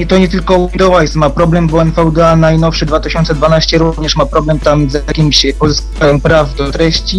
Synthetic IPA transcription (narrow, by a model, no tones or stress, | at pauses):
t̪ɔɲɛt̪ɘlkɔwid̪ɔwajsmapɾɔblɛmbɔɛnfɛwd̪ɛanajnɔfʂɘd̪vat̪ɘɕɔnt̪sɛd̪vanaɕt͡ɕɛɾuvɲɛʂmapɾɔblɛmt̪amzjakʲimʲɕpɔzɘskajɛmpɾavd̪ɔt̪ɾɛɕt͡ɕi